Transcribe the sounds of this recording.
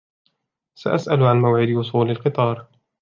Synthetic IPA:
sa̰ʔasʔalʕanmawʕɪd̪wʊsˤuːlalqɨt̪ˤɑːɾˤ

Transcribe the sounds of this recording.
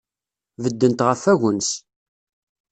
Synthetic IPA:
vəd̪ːənt̪ʁəfːæʝəns

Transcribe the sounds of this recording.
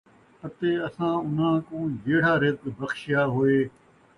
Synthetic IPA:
pət̪eːəsãːʊn̤ãːkõːd͡ʒeːɽ̤aːɾɪd̪bəxʃjaːɦoːeː

